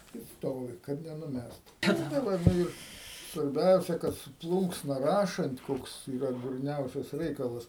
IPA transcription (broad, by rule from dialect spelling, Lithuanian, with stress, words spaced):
ɪ ˈstoːʋʲɪ kɐt nʲɛnʊˈmʲɛst tɐɪ ˈʋɐ ˈnʊ ɪr sʋɐrʲˈbʲɛʊsʲɛ kɐt sʊ ˈplˠuːŋksnɐ ˈrɑːʃɐnt ˈkoːks iːˈrɐ dʊrʲˈnʲɛʊsʲɛs ˈrʲɛɪkɐlˠɐs